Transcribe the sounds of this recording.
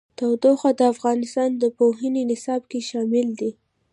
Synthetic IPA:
t̪awd̪oxad̪əafɣɑnɪst̪ɑnd̪əpoɦəninɪsɑb̚keʃɑmɪld̪i

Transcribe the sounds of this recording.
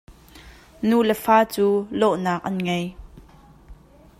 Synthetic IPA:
nulɛfaːt͡suːlɔʔnaːk̚ʔɐnŋej

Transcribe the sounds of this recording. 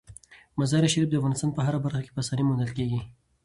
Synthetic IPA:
mazɑɾiʃaɾif̚d̪əafɣɑnɪst̪ɑnpəɦaɾabaɾxake̥pəasɑnimʊnd̪alkeɡi

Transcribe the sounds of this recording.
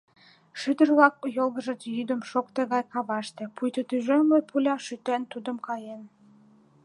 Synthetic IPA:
ʃyd̪ə̆rβlɑk̚jolˠɣə̆ʒə̆t͡sjyd̪ə̆mʃokt̪eɣɑjkɑβɑʃt̪ĕpujt̪ət̪yʒømlepʰulʲɑʃyt̪ent̪ud̪ə̆mkɑjen

